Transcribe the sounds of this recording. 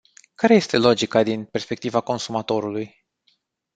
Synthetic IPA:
kaɾe̞je̞st̪e̞lo̞d͡ʒikad̪inpe̞rspe̞k̚t̪ivako̞nsumat̪o̞ɾuluj

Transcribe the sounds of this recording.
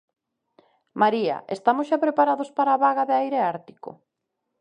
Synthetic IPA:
maɾiɐ̰ʔest̪amʊsʃapɾepaɾaðospaɾaːβaɣaðeajɾeaɾt̪i̥ko̰

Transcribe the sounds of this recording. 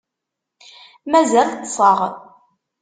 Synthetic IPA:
mæzælt̪ːsˤəʁ

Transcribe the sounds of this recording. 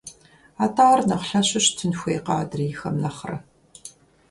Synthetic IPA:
aːtʰaːʁɐrnɐʁɬɐɕɪɕtʰɨnxʷejqɑːdriːxɐmnɐχrɐ̰

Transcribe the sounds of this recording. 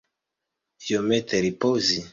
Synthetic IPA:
jomɛt̪ʰɛɾipozi

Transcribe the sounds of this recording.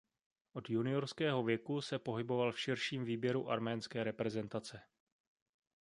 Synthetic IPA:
ʔo̞djunɪjo̞ɾskɛːɦo̞vjɛkusɛpo̞ɦɪbo̞valfʃɪɾʃiːmviːbjɛɾuʔaɾmɛːnskɛːɾɛpɾɛzɛnt̪at͡sɛ

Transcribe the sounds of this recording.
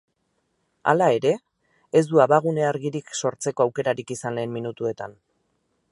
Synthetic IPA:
a̰lae̞ɾe̞ː | zd̪uaβaɣ̞une̞aɾɣiɾikso̞ɾt͡se̞ko̞awke̞ɾaɾikisanle̞ːmminut̪ue̞t̪an

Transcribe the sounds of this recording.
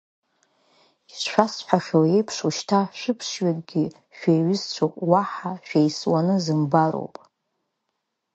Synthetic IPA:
isʃʷᶣasħʷᶣaχʲowejpʰʂuʃtʰaʃᶣɨpʰʂɥakʼɡʲi | ʃᶣeɥɪzt͡ɕʷʰopʼwaħaʃᶣejswanɨzɨmbaɾo̰wpʼ

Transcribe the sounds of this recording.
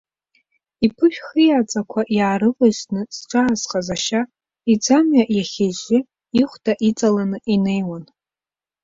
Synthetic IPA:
ipʰɨʃᶣχɨjat͡sʼakʷʰaʔjaːɾɨqʼosnɨsʈ͡ʂʷʼaːzqʼazaʃa | id͡zamɥaʔjaχʲeʒɪ | iχʷdʰʼaʔit͡sʼalanɨʔine̞jwan

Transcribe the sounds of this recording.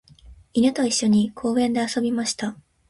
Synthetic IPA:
inɯt̪oiɕːo̞ɲ̟ikʰo̞ːẽ̞nd̪e̞aso̞bʲimaɕi̥t̪a

